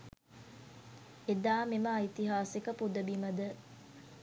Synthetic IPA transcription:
ed̪aːmeməːjt̪iɦaːsekəpud̪əbimɐd̪ə

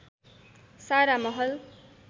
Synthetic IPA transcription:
saɾamʌɦʌl

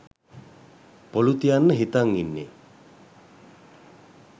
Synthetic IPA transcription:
polut̪ijanːəɦit̪aŋinːḛ

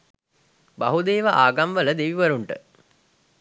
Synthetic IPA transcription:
baɦud̪eːʋaʔaːɡamʋələd̪eʋiʋɐɾuɳʈə̰

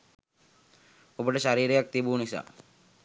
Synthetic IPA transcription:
ubəʈəʃaɾiːɾejak̚t̪ibuːnisa̰

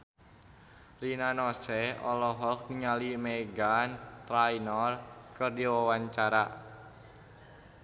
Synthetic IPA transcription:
rinanɔsɛɔ̰lɔɦɔk̚niŋalimeɡant̪ɾajnɔrkərdiwɔwaɲt͡ʃaɾa

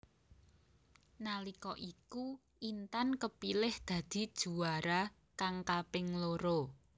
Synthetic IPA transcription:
nalikɔʔiku | ʔint̪ankəpilɪhd̪̥ä̤d̪̥i̤d̥ʒ̥ṳwaɾa | kaŋkapɪŋloɾo

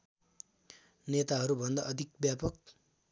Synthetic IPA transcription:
net̪aɦʌɾubʱʌnd̪aʔʌd̪ʱik̚bjapʌk̚

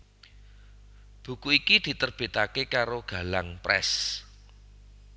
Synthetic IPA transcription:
b̥ṳkuikid̪̥i̤t̪ərb̥e̤t̪akekaɾoɡ̥a̤laŋpɾɛ̰s

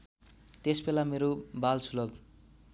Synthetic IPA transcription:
t̪esbelameɾobalt͡sʰulʌb

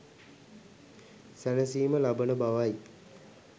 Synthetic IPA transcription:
sænəsiːməlabənəbaʋaj

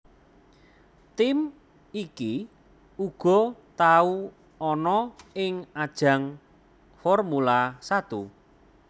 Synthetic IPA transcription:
t̪ɪm | iki | uɡ̥ɔ̤t̪au | ɔnɔɪŋad̥ʒ̥ä̤ŋ | fɔrmulasat̪u

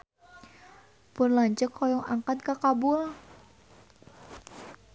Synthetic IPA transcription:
pənlaɲt͡ʃəkʰːɔjɔŋa̰ŋkat̪̚kakabul

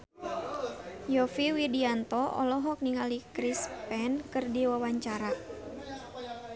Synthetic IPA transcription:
jɔfiwidiant̪ɔɔ̰lɔɦɔk̚niŋalikɾispɛnkɨrdiwawaɲt͡ʃaɾa

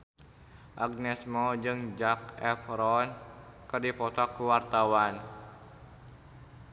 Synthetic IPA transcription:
ʔaɡ̚nɛsmɔd͡ʒɨŋd͡ʒak̚ɛfɾɔnkɨrdipɔt̪ɔkuwart̪awan

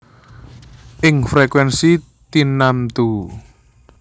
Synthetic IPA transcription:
ʔɪŋfɾekwɛnsi | t̪inamt̪u

